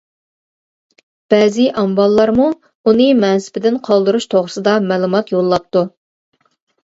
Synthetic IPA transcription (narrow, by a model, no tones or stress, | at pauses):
b̥ɛːzɪʔɑmbɑlˠːɑɾmu | unɨmɛnsɪ̥pɪd̪ɪnqʰɑlˠd̪ɨɾuʃt̪ʰoʁɾɨsɨd̪ɑmɛːlˠumɑt̪jolˠːɑp̚t̪u